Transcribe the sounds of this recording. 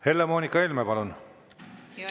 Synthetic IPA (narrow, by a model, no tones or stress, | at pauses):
he̞lːemoːnʲikːɑelmepɑlun